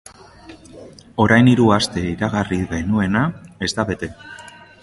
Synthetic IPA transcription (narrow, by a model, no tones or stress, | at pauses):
o̞ɾajniɾuast̪e̞iɾaɣariɡenue̞nae̞zd̪aβe̞t̪e̞